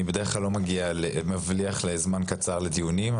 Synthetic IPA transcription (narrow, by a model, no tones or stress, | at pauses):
ibede̞eχlalːo̞maɡialemavliaχlezmankat͡saʁlet̪ijunim